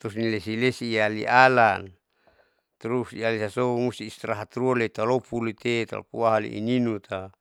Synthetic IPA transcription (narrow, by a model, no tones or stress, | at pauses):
t̪usnilesilesiːalḭʔalan | t̪ɾusialisasomust̪iːst̪ɾaɦat̪ɾuolet̪alopulit̪et̪a̰lo̰puaɦalḭʔḭninut̪a